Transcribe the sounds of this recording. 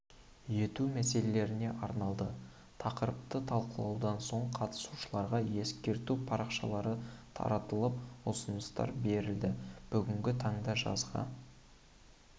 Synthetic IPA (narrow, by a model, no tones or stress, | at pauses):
je̞t̪umæse̞lele̞ɾɪne̞ʔɑɾnɑlˠd̪ə | t̪ʰɑqəɾəp̚t̪ət̪ʰɑlˠqəlˠɑwd̪ɑnso̞ɴqʰɑt̪ə̥su̥ʃəlˠɑɾʁɑje̞skʲe̞ɾt̪upʰɑɾɑqʃɑlˠɑɾət̪ʰɑ̰ɾɑt̪əlˠəp̚osənəst̪ɑ̰ɾbe̞ɾɪld̪ɪb̥ʏɡʲɪŋɡʲɪt̪ʰɑɴd̪ɑʒɑ̰zʁɑ̰